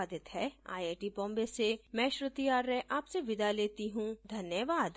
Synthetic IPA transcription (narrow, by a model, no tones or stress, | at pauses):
d̪ɪt̪ɦɛːa̰ːjeːʈibɔ̃ːmbesemɛ̃ːʃɾɪt̪iaːɾːɛʔaːpseʋɪd̪aleːt̪iɦũd̪ʱɐnjəʋaːd̪